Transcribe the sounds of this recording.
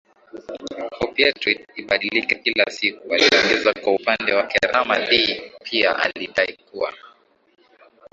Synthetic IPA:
hɔpiatitiɓaɗilikakilasikualiɔŋɡɛzakwaupandɛwakɛɾʔamaɗipʰiaʔa̰liɗaikua̰

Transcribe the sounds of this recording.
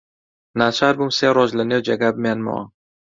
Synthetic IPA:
nat͡ʃʰaɾbumseːɾɔzlənewd͡ʒeɡabmenmɔ̰

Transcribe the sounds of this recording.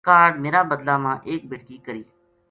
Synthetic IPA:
aːɾɖmeːɾaːbəd̪laːmãːʔeːk̚bʱɪʈkiːkəɾiː

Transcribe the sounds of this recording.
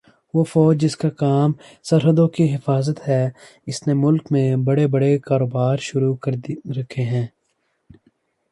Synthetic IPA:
ʋoːfɔːd͡ʒd͡ʒɪskakaːm | sɐɾɦəd̪õkiɦɪfaːzət̪ɦɛ | ɪsnemʊlkmẽbɐɽebɐɽekaːɾoːbaːɾʃʊɾukɐɾɾɐkʰːeɦɛ̃ː

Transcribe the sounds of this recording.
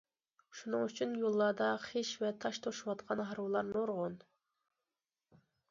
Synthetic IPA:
ʃunɨŋyt͡ʃʰynjolˠːɑːd̪ɑχeʃvɛt̪ʰɑʃt̪ʰoʃwɑt̪̚qʰɑnɦɑɾwɨlˠɑɾnoɾʁon

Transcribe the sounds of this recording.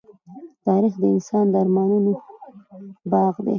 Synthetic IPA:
t̪ɑɾixd̪əɪnsɑnd̪aɾmɑnuno | bɑɣd̪ḛ

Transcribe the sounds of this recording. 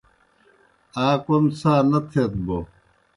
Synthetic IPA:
aːkomsaːnɐt̪ʰet̪̚bo

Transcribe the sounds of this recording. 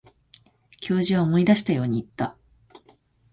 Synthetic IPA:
kʲo̞ːʑiβaomo̞id̪aɕi̥t̪ajo̞ːɲ̟iːt̪ːa

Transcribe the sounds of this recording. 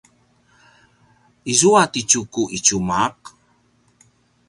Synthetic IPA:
izuatit͡ʃukuʔit͡ʃumaq

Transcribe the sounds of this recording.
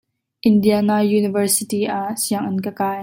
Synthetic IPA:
ʔɪndianaːjuːnɪvərsɪt̪iʔaʔsiəŋʔɪnkəkaːj

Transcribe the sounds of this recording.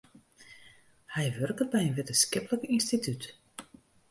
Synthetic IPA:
hɛjʋørkəbɛjənʋɪtəskɪpələkinstityt

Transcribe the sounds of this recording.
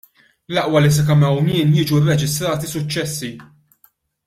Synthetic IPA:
lɐʔwɐlis̬ɛkɐmɛwnɪːnjɪːd͡ʒuɪrːɛd͡ʒɪst̪ɾɐːt̪isʊt͡ʃːɛsːi

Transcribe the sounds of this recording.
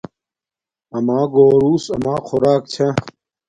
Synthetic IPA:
ɐmaːɡoːɾuːsɐ̰maːxʰoɾaːkt͡ɕʰa

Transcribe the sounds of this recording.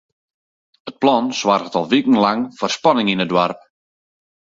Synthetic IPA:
ət̚plɔnswarətɔlˠʋikn̩laŋfɔrspanɪŋinədwarp̚

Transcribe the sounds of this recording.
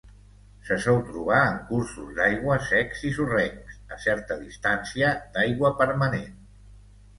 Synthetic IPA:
səsɔlˠt̪ɾuβ̞aəŋkuɾsuzd̪ajɣwəsɛksisurɛŋsəsɛɾt̪əðist̪ansiəd̪ajɣwəpəɾmənen

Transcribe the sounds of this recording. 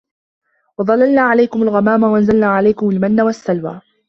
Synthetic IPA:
wɑðˤɑlːalnaːʕalajkʊmʊlɣamaːmawaʔanzalnaːʕalajkʊmʊlmanːawasːalwa̰ː

